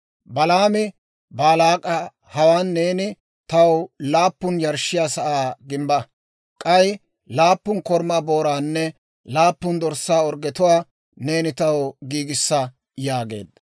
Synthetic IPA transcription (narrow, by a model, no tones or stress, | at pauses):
bɐlaːmɪ | baːlaːkʼɐ | hɐwaːnːe̞ːnɪ | t̪ɐwlaːpːʊnjɐɾʃɪjaːsɐʔaːɡɪmbɐ | kʼɐj | laːpːʊnkɔɾmaːbo̞ːɾaːnːɛ | laːpːʊnd̪ɔɾsːaːɔɾɡɛt̪ʊwaː | ne̞ːnɪt̪ɐwɡiːɡɪsːɐ | jaːɡe̞̰ːd̪